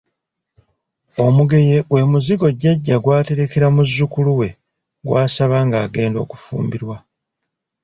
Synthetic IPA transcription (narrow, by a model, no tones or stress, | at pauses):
o̞muɡe̞jewe̞muziɡo̞ɟaɟːaɡwaːte̞ɾe̞ke̞ɾamuzːukuluwe̞ | ɡwaːsaβaːŋɡaːɡe̞ːndo̞̰ːku̥fṵːmbiɾwa